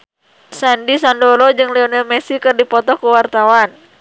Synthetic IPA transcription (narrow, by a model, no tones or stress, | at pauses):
sandisandɔlɔd͡ʒɨŋlɛɔnɛlmɛsikɨrdipɔt̪ɔkuwart̪awan